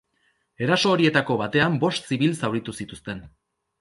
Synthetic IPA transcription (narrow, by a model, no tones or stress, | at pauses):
e̞ɾaso̞ːɾie̞t̪ako̞βat̪e̞ambo̞st̪siβ̞ilsawɾit̪usit̪ust̪e̞n